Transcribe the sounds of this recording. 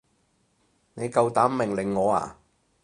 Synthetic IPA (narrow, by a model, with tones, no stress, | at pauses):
ne˨˧jkɐ˧wt̪aː˨˥mmɪ˨ŋlɪ˨˩ŋːɔː˨˧a̰ː˨˩